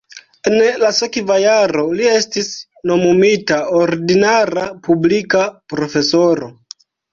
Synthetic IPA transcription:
e̞nlasekvajaɾo̞lie̞stis | no̞mumitaoɾdinaɾapublikapɾo̞fe̞so̞ɾo̞

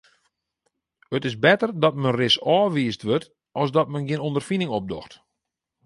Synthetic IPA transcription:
ətɪsbɛtərdɔtmənrɪsɔːʋiːəstʋøt | ʔɔlˠsdɔtmənɡiənondərfinɪŋɔp̚dɔ̰xt

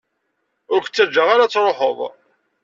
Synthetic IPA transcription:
ʊɾç̥t͡sːæd͡ʒːəʁaɾat͡sːɾˤoħəðˤ

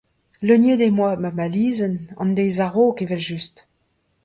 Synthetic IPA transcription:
lønjedemwamamaliːzənɑ̰̃ndejzaʁoːkevɛlʒyst

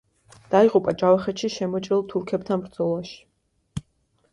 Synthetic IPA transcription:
d̪̥aiʁupʼad͡ʒavaχɛt̪ʃiʃɛmɔt͡ʃʼɾilˠt̪ʰuɾkʰɛbt̪ʰanbɾd̪zɔlˠaʃi̥

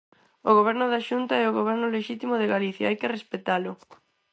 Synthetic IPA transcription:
oɣoβɛɾnʊðaʃunt̪aɛoɣoβ̞ɛɾnʊleʃit̪imʊðeɣaliθja̰ajkɪrespet̪alʊ

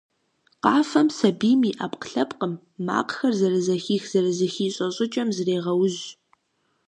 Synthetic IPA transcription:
qɑːfɐmsɐbiːmiːʔaːpqɬɐpqʼəmː | a̰ːqxɐrzɐrɨzɐxiːxz̥ɐrɨzɐxiːɕʼɐɕʼɪt͡ʃʼɐmzreːʁɐwʊʑ

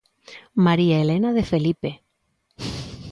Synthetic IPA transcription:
maɾiaelenaðefelipe

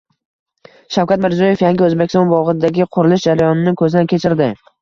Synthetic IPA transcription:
ʃawkʲat̪mɪɾzjɒje̞fjaŋɡʲɪɵzbekʲɪst̪ɒnbɒʁɨd̪aɡʲɪqʰʊɾɪlɪʃd͡ʒaɾajɒnɪnɪkʰɵzɪd̪ankʲʰe̞t͡ʃʰɪɾd̪ɪ

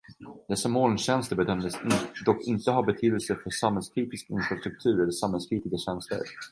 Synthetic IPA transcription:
d̪ɛsːamoːlnɕɛnst̪əɾbɛd̪œmd̪əsd̪ɔkːɪnt̪əɦaɾbɛt̪ʰyːd̪əlsəfœʂamanskʰɾiːt̪ɪskɪnfɾast̪ɾɵk̚t̪ʰʉ̟ːɾɛlːəʂamhɛlskʰɾiːt̪ɪɡaɕɛnst̪ə̰ɾ

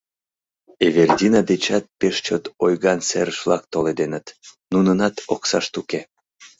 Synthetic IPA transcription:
everd̪ʲinɑd̪et͡ɕɑt̪̚peʃt͡ɕot̪ojɣɑnseɾəʃvlɑkt̪oled̪enət̪nunənɑt̪oksɑʃt̪uke

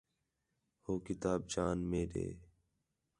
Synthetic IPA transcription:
hoːkɪt̪aːb̚d͡ʒaːnmeːɗḛː

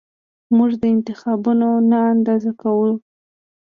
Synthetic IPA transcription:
muʐd̪əɪnt̪ɪxɑbunonaand̪ɑzakawə

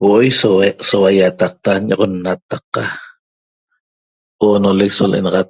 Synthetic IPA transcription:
woʔojsoweʔsowajat̪ɑq̚t̪aɲoʁonːat̪ɑqɑ | ʔonoleksolʔḛnɑʁɑt̪̚

